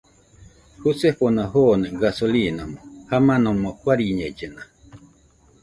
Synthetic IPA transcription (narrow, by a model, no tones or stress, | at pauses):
husefonaɦoneɡasolinamohamãnõmohwaɾiɲed͡ʒena